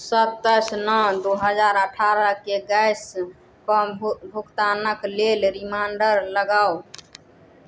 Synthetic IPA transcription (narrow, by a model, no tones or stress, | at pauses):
sət̪ːəsnɔd̪oɦəd͡ʒaɾəʈʰaɾəkeɡəɪs | pəbʱukt̪anəklelɾimaɳɖəɾləɡaːo